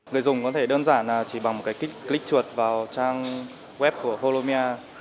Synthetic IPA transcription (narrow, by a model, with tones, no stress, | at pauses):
ŋɨ˨˩əjzʊ˨˩ŋ͡mkɔ˨˦t̪ʰe˧˩ɗəː˧nzaː˧˩naː˨˩t͡ɕi˧˩ɓa˨˩ŋm˨˩t̚kaː˨˦jkï˦˥k̚klï˦˥k̚t͡ɕu˨˩ət̚vaː˨˩wt͡ɕaː˧ŋ | wɛ˦˥p̚ku˧˩əxo˧lo˧mi˧ʔaː˧